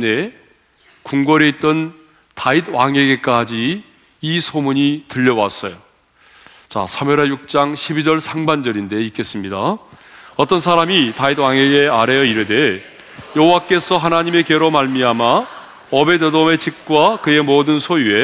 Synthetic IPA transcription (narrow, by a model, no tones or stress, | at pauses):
ne̞ | kuŋɡʌɾeit͈ʌn | tait̚waŋe̞ɡe̞k͈ad͡ʑiː | sʰomuɲitɯʎːʌwas͈ʌjo | t͡ɕa̰sʰameɾajuk̚t͡ɕ͈aŋɕʰibid͡ʑʌɭsʰaŋband͡ʑʌɾinde̞ik͈e̞s͈ɯmɲida | ʌt͈ʌnsʰaɾamitaid̚waŋeɡeaɾejʌiɾɯde̞ | jʌɦowak͈e̞sʰʌɦanaɲime̞keɾomaɭmiama | ʌbe̞dedome̞t͡ɕik̚k͈wakɯe̞modɯnsʰojue̞